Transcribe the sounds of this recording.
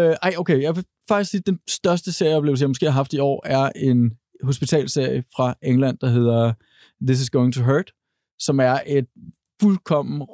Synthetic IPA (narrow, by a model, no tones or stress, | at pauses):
øʔɑ̈ɪoʊkʰejɑ̈ʋe̝ | fɑ̈ɡ̥isɡ̥siːd̥ensd̥ɶɐsd̥əse̝ɐ̰jɒb̥le̝ʊlsəjɑ̈ɪmo̽sɡe̝̰ːhɑɦɑ̈fd̥iɒ̰ːæɐʔe̝n | ɦo̝sb̥it͡sʰɛ̰ːlse̝ɐ̰jəfʁɑ̈ʔeŋlæn̰d̥ɑ̈ɦe̝ð̞̰ˠɐ | ðis̬ɪsɡ̥oʊe̝ŋt͡sʰuɦɜːd̥ | sɒ̽mæɐʔe̝d̥ | fulkʰɒ̽m̰n̩